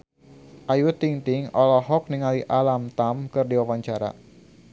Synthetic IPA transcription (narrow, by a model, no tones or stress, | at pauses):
ʔajut̪iŋt̪ɪŋɔlɔɦɔk̚niŋaliʔalamt̪amkɨrdiwawaɲt͡ʃaɾa̰